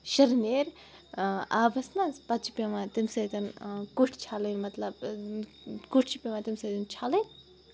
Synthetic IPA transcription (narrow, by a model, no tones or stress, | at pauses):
ʃɐɾneːɾ | aːbɐsnazpɐt̪̚t͡ʃʰi̥pʲeʋãːt̪imsɐt̪ʲɐnkuʈʰt͡ʃʰaːlɐnmɐt̪lɐb̚ | kuʈʰt͡ʃʰipʲemãːt̪imsɐt̪int͡ʃʰaːlɐn